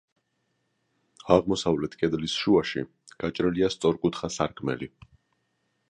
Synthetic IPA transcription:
aʁmɔsavlɛt̪ʰkʼɛd̪lisʃuaʃḭ | ɡ̥at͡ʃʼɾɛliast̪sʼɔɾkʼut̪ʰχasaɾkʼmɛ̰li

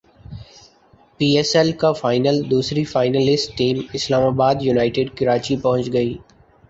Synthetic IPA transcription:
piːɛsɛlkafaːɪnəld̪uːsɾifaːɪnəlɪsʈʈiːmɪslaːmaːbaːd̪junaːɪʈɪɖkɪɾaːt͡ʃipɐɦʊ̃nt͡ʃɡɐiː

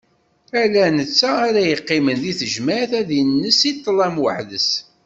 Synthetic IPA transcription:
ælænət͡sːaːɾæjəqːɪmənðiθəʒmæθæðinːəsit̪ˤːlæmwə̰ħðəs

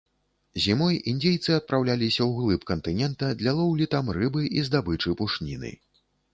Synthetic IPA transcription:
zʲimɔjind̪ʲejt̪sɨɐt̪̚pɾawlʲalʲisʲɐwɣlˠɨpkɐnt̪ɨnʲɛnt̪ɐd̪lʲalˠɔwlʲit̪ɐmrɨbɨʔizd̪abɨt͡ʂɨpuʂnʲinɨ̰

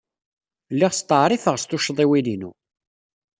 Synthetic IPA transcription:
lːiʁst̪ˤːəʕɾˤifəʁst̪ʊʃðˤiwilinṵ

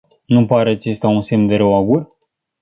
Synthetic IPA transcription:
nupaɾeat͡ʃe̞st̪aunsemd̪e̞ɾowaɡur

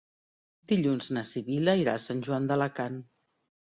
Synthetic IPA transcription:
d̪iʎunznəsiβiləiɾa̰sanʲʒuand̪ələkan

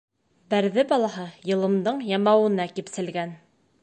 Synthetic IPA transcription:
bæɾðɘbɑlˠɑɦɤjɤ̆lˠɤ̆md̪ɤɴjɑmɑwɤ̆nɑkipsɘ̆lɡæn

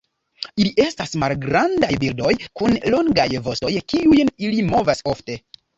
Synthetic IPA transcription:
iliʔe̞stasmalɡɾandajbildo̞jkunlo̞ŋɡajvo̞sto̞jkiujnilimo̞vaso̞fte̞

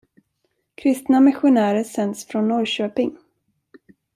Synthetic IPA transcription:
kʰɾɪst̪namɪɧʊnæːɾəsɛnd̪sfɾɔnːɔjɕøːpɪŋ

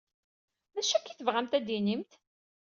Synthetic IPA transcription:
mæʃːækːiθəvʁæmt̪æd̪inimt̪

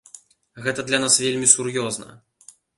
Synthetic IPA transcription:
ɣɛt̪ɐd̪lʲɐnasvʲelʲmʲisurjɔznɐ̰

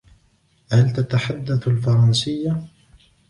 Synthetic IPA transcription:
halt̪at̪aħad̪ːaθalfɑɾˤɑnsɪjːa

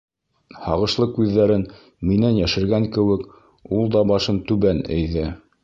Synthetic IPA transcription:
hɑ̰ʁɤ̆ʃlˠɤkʉðːæɾɘn | minænjæʃɘ̆ɾɡæŋkɘ̆wɘk | ulˠd̪ɑbɑʃɤnt̪ʉβænɘ̰̆jðɘ

